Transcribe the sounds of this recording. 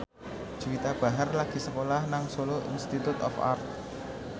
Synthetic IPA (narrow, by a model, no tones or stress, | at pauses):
ʒ̥uwit̪ab̥a̤ɦərlaɡ̥i̤səkolahnaŋsoloʔḭnst̪it̪ut̪ɔ̰fa̰rt̪̚